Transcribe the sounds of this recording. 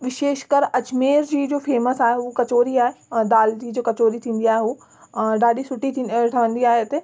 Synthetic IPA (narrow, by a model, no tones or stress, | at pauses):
ʋɪʃeːʃkəɾɐt͡ɕmeːɾd͡ʑiːd͡ʑoːfeːməsaːɦeukɐt͡ɕoːɾiaːɦed̪aːld͡ʑiːd͡ʑoːkɐt͡ɕoːɾit̪ʰĩːn̆d̪iaːɦeuː | ɖaːɖisʊʈiʈʰɐʋə̃nd̪iaːɦet̪e